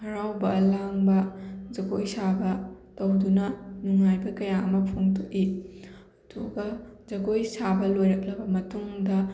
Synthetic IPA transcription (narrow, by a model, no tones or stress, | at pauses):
hɐɾawbɐɐlaŋbɐzɐɡojsabɐtɐwdunɐnuŋajbɐkɐjaɐmɐpʰoŋtʰok̚i | ɐd̥ṵɡɐd͡ʒɐɡojsabɐlojɾɐk̚lɐbɐmɐtuŋdɐ